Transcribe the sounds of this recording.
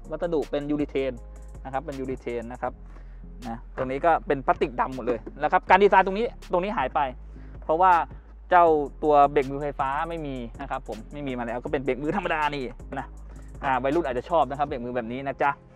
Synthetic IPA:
wa˦˥t̪sa˧du˨˩k̚pe˧njuː˧li˧t̪ʰeː˧n | na˦˥kʰa˦˥pːe˧njuː˧li˧t̪ʰeː˧nːa˦˥kʰa˦˥p̚ | na˦˥t̪o˧ŋniː˦˥kɔː˥˩pe˧npʰa˦˥t̪ːi˨˩k̚da˧mːo˨˩t̪̚lɤː˧jnɛː˦˥kʰa˦˥p̚kaː˧ndi˧˩saː˧nt̪o˧ŋniː˦˥t̪o˧ŋniː˦˥ɦaː˩˦jpa˧j | pʰɔ˦˥waː˥˩ | t͡ɕa˥˩wt̪u˧ɐbe˨˩k̚mɯː˧fa˧jfaː˦˥ma˥˩jmiː˧na˦˥kʰa˦˥pʰːo˩˦mːa˥˩jmiː˧maː˧lɛ˦˥wkɔ˥˩pe˧nbe˨˩k̚mɯː˧t̪ʰa˧mːa˧daː˧niː˧˩na˦˥ | ʔaː˨˩wa˧jlu˥˩t̪̚ʔ̚ːt͡ɕːa˨˩t͡ɕʰɔː˥˩p̚na˦kʰa˦˥p̚be˨˩k̚mɯː˧bɛː˨˩p̚niː˦˥na˦˥t͡ɕa˦˥

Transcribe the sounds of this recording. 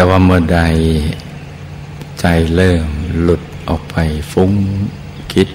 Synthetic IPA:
t̪ɛː˧waː˧mɯ˧˩da˧j | t͡ɕa˧˩jlɤː˧˩mlu˨˩t̪̚ʔɔː˨˩k̚pʰa˧˩jfu˧˥ŋ | kʰi˧˦˥t̪̚

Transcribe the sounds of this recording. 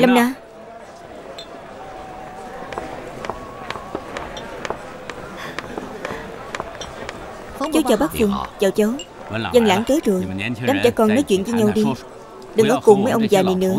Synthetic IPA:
lə˧mnaː˧ | t͡ɕo˨˦wt͡ɕəː˨˩wɓaː˦˥k̚fɨ˨˧əŋt͡ɕa˨˩wt͡ɕə˨˦w | zə˧nla̰ː˧˥˩ŋkəː˨˦zo˨˩jɗaː˨˦mt͡ɕa̰˧˩˦kɔ˨˩nɔ˨˦jt͡ɕwḭ˧˨nzɨ˧ɲa˧wɗi˧ | ɗɨ˨˩ŋʔəː˨˦˩kʊ˨˩ŋ͡mmə˨˦jʔə˧wŋ͡mzaː˨˩ni˨˩nɨ̰˧˥ə

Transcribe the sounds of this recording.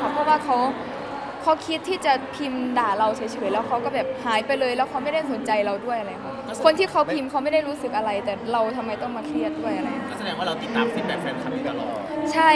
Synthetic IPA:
a˦˥pʰːɔ˧˥˩waː˥˩kʰa˦˥w | kʰa˦˥wkʰi˦˥t̪ʰːiː˥˩t͡ɕa˨˩pʰi˧mdaː˨˩ɾa˧wt͡ɕʰi˦t͡ɕʰi˧˩i˦lːɛː˦˥wkʰa˦˥wkɔː˥˩bɛː˨˩p̚haː˨˩˦jpa˧jlɤː˧jlɛː˦˥wkʰa˦˥wma˥˩jda˥˩jso˩˦nt͡ɕa˧jɾa˧wdu˥˩əjʔa˧a˧ja˨˩kʰkʰo˧nt̪ʰiː˥˩kʰa˦˥wpʰi˧mkʰa˦˥wma˥˩jda˥˩jɾuː˦˥sɯ˨˩k̚ʔa˧ɾa˧jt̪ɛː˨˩ɾa˧wt̪ʰa˧mːa˧jt̪ɔ˥˩ŋmaː˧kʰli˥˩ət̪̚du˥˩əjʔa˧ɾa˧ja˨˩a˧˩sa˧dɛː˨˧˦ŋwaː˥˩ɾa˧wt̪i˨˩t̪ːaː˧˨msʰi˧˩pɛ˧nfɛː˧˩nkʰa˧nʰiː˥˧˩t̪a˧lɔː˨˩ | t͡ɕʰa˥˩

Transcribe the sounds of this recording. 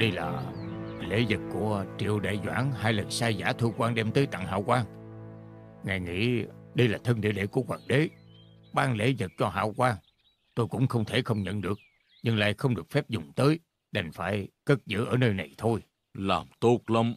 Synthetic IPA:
ɗə˧jla̰ː˨˩lḛ˧˨˦zə˨˩t̚ku˧˩ət͡ɕḭ˧˨əwɗa̰ː˧˨˩jzwa̰ː˧˥˩ŋhaː˧jlə˨˩nsaː˧jzaː˧˥t̪ʰu˧kwaː˧ŋɗɛ˧mt̪əː˨˦jt̪a̰˧˨ŋɦa̰ː˧˨wkwaː˧ŋ | ŋaː˨˩jŋḭ˧˥ɗə˧jlaː˨˩t̪ʰə˧nɗḭ˧˥əlḛ˧˨˦ku˧˩əkwaː˨˩n̚ɗe˨˦ | ɓaː˧nlḛ˧˦zə˨˩t̚t͡ɕɔ˧ɦa̰ː˧˨wkwaː˧ŋ | t̪o˧jkʊ̰˧˥ŋ͡mxə˧wŋ͡mt̪ʰe˧˩xə˧wŋ͡mɲə̰˧˨nɗɨ˨˩ək̚ | ɲɨ˧ŋla̰ː˧˨jxə˧wŋ͡mɗɨ˨˩ək̚fɛ˦˥p̚zʊ˨˩ŋ͡mt̪əː˨˦j | ɗə˨˩ŋ̟faː˧˩jkə˦˥t̚zɨ̰˧˥ʔəː˧˩nəː˧jna˨˩jt̪ʰo˧j | laː˨˩mt̪o˦k̚lə˧m

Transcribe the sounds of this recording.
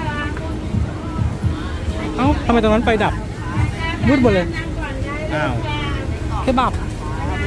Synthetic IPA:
ʔaː˧˥˩wt̪ʰa˧ma˧jt̪ʰːna˦˥pa˧jda˨˩p̚ | mɯː˧˥t̚bɔː˧˩lɤː˧j | ʔaː˧˩w | kʰeː˧˥baː˨˩p̚

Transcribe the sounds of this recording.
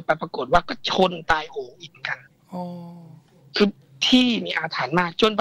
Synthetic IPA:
pa˧˩jpɾa˧ko˨˩t̪̚waː˧˥˩kɔː˥˩t͡ɕʰo˧˨nt̪aː˧jhoː˨˦ŋʔi˧˨˩m˦ŋka˧n | ʔɔː˧ | kʰɯː˧˩ | t̪ʰiː˥˩miː˧ʔaː˧t̪ʰaː˩˦nmaː˥˩k̚t͡ɕo˧˨np

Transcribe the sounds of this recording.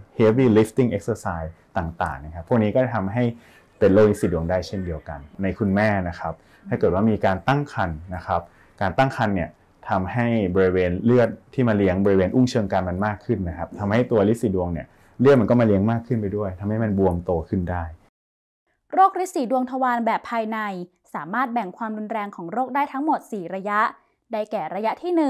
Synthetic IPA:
he˦˥wiː˥˩li˦˥ft̪i˥˩ŋʔe˦˥k̚səː˧saː˧jt̪aː˨˩ŋt̪a̰ː˨˩ŋna˦˥kʰa˦˥pʰːu˥˩k̚niː˦˥kɔː˥˩t͡ɕa˨˩t̪ʰa˧mɦa˥˩j | pe˧nloː˥˩kli˦˥si˨˩du˨˩əŋdaː˥˩jt͡ɕʰe˥˩ndi˧əwka˧nna˧jkʰu˧nmɛː˥˩na˦˥kʰa˦˥p̚ | t̪ʰaː˥˩kɤː˨˩t̪̚waː˥˩miː˧kaː˧nt̪a˥˩ŋkʰa˧nːa˦˥kʰa˦˥p̚ | kaː˧nt̪a˥˩ŋkʰa˧nːi˥˩ɐ | t̪ʰa˧mha˥˩jbɔː˧ɾi˧weː˧nlɯ˥˩ət̪̚ʰːiː˥˩maː˧li˦˥əŋbɔː˧ɾi˧weː˧nʔu˥˩ŋt͡ɕʰɤː˧ŋkaː˧nma˧nmaː˥˩kʰːɯ˥˩nːa˦˥kʰa˦˥p̚t̪ʰa˧mɦa˥˩jt̪u˧ɐli˦˥siː˨˦du˧əŋni˨˩ɐ | lɯ˥˩t̪̚ma˧nkɔː˥˩maː˧li˦˥əŋmaː˥˩kʰːɯ˥˩npa˧jdu˥˩əjt̪ʰa˧mha˥˩jma˧nbu˧əŋt̪oː˧kʰɯ˥˩ndaː˥˩j | ɾoː˥˩k̚ɾi˦˥siː˨˩˦du˧əŋt̪ʰa˧waː˧nbɛː˨˩pʰːaː˧jna˧j | saː˩˦maː˥˩t̪̚bɛ˨˩ŋkʰwaː˧mɾu˧nɾɛː˧ŋkʰɔː˩˦ŋɾoː˥˩k̚daː˥˩jt̪ʰa˦˥ŋmo˨˩t̪̚siː˨˩ɾa˧ja˦˥ʔ | da˥˩jkɛː˨˩ɾa˧ja˦˥t̪ʰiː˥˩nɯ˨˩

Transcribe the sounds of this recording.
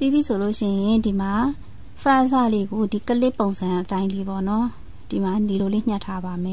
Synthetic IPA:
pi˦˨bi˦˨sʰo˨lo˦ʃɪ̰̃˦˨jɪ̃˨ndi˨ma˨ | pʰã˦˨ʔs̬a̰˦˨le˨ɡo˨di˨kə˦lɪ˦pːõ˨ʊ̃nzʰã˨ʔətã˦ɪ̃nli˦˨bɔ˦˨nɔ˦ | d̥i˨ma˨ni˨lo˨le˦˨ɲ̥ɲã˦˨tʰːa˦ba˨mɛ˨

